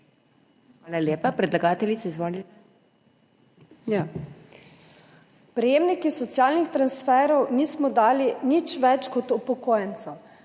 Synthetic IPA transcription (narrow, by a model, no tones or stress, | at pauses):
ʋaːlalʲjeːpapɾɛd̪laɡaːt̪ɛlisɛizʋoːli | ja | pɾɛjeːmnikisɔt̪sjaːlnixt̪ɾansfɛːɾɔwniːsmɔd̪aːlinit͡ʃʋɛt͡ʃkɔt̪upɔkoːjɛnt̪sɐw